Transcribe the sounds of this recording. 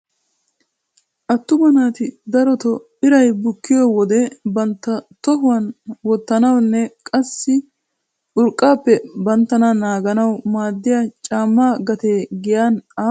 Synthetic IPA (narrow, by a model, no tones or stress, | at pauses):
ʔɐt̪ːʊbɐnaːt̪ɪd̪ɐɾɔt̪ɔbɪɾɐjbʊkːɪjɔːwɔd̪ɛbɐnt̪ːɐt̪ɔɦʊwɐnwɔt̪ːɐnɐwnːɛkʼɐsːɪ | ʔʊɾkʼːaːpːɛbɐnt̪ːɐnɐnaːɡɐnɐwmaːd̪ːɪjat͡ʃʼaːmːaːɡɐt̪eːɡɪjanaː